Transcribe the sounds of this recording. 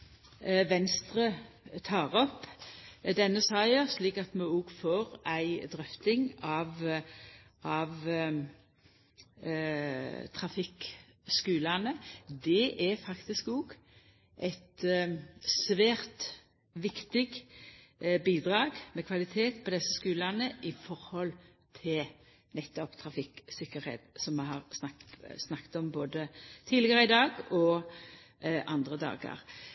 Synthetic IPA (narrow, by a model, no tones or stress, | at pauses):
ʋɛnst̪ʁə | t̪ʰɑːʁɔpː | d̪ɛnːəsɑɪəsliːkɑt̪mɛɔːɡfoːɾæɪd̪ʁœft̪ɪŋɑʋ | ʔɑʋ | t̪ʰʁɑfɪk | skʉːlɑnəd̪ɛʔæfɑkt̪ɪskɔɡ | ʔɛt̪ | sʋæːʁt̪ | ʋɪkt̪ɪɡ | biːd̪ʁɑːɡmɛkʰʋɑlɪt̪ʰeːt̪pʰɔd̪ɛsːəskʉːlɑnəʔɪfɔɾhɔl | t̪ʰɪl | nɛt̪ːɔpt̪ʰɾɑfɪksɪkːəɾhḛːt̪sɔmmɛɦɑʁsnɑsnɑkt̪ɔmboːd̪ət̪ʰiːlɪɡəɾəɪd̪ɑːɡɔ | ʔɑnd̪ʁəd̪ɑ̰ːɡə̰ʁ